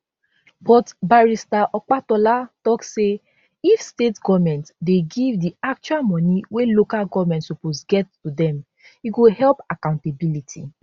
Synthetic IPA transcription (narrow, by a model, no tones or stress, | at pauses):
bɔtbaɹistaʔɔk͡patɔlatɔkse | ifstetɡɔvmɛ̃ntdeɡivdiak̚t͡ʃualmɔ̃niwelokalɡɔvmɛ̃ntsoposɡɛttudɛ̃m | iɡohɛlpakãʊ̃ntebilitʰḭ